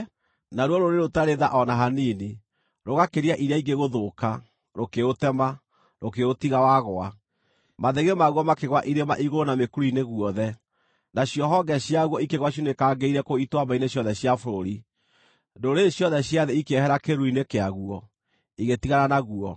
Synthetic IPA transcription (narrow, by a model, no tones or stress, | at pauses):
naɾwɔɾoɾeɾotaɾeðaʔɔnaɦanini | ɾoɣakeɾiaʔiɾjaiɡeɣoðoːka | ɾokeotɛma | ɾokeotiɣawaɣoa | maðeɣemaɣwɔmakeɣwaʔiɾema̰ʔiɣoɾonamekuɾuineɣuɔðɛ | naɕjɔɦɔɡɛɕjaɣwɔikeɣwaɕ̬jonekaːɡeiɾɛkoitwamaineɕjɔðɛɕjafoɾoɾi | ndoɾeɕjɔðɛɕjaðeikehɛɾakeɾuinekeaɣuɔ | iɣetiɣaɾanaɣuɔ